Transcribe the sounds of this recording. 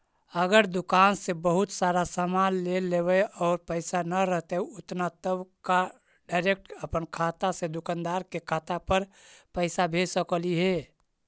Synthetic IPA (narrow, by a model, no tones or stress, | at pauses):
əɡəɾd̪ʊkaːnsebəɦʊt̪saɾasamanlelebeɔːɾpəɪsanəɾəɦt̪eʊt̪nat̪əbka | ɖaɪɾek̚ʈəpənkʰaːt̪ased̪ʊkand̪aːɾkekʰaːt̪apəɾpəɪsabʱesəkəliɦe